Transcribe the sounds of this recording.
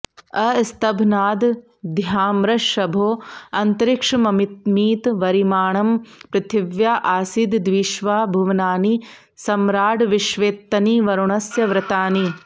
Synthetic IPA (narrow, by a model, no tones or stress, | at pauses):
ɐst̪ɐbʱnaːd̪ | d̪ʱjaːmɾɐʃɐbʱoːɐnt̪ɐɾɪkʂmɐmit̪̚miːt̪ʋɐɾimaːɳɐmpɾɐt̪ɪʋjaːʔaːsid̪d̪ʋiːʃʋaːbʱuʋnaːni | sɐmɾaːɽʋɪʃʋeːt̪ːɐniʋɐɾuɳɐsjɐʋɾɐt̪aːni